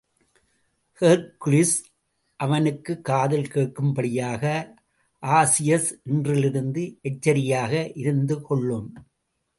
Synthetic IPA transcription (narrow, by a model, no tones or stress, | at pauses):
hɛɾklɪs | ʔɐʋɐnɯkːɯkːaːðɪlkeːʈ̚kɯmbɐɽɪjaːɣɐ | ʔaːsɪjɐsʔɛndrɪlɪɾɯnd̪ɯʔɛt͡ʃːɐɾɪjaːɣɐʔɪɾɯnd̪ɯkɔɭːɯm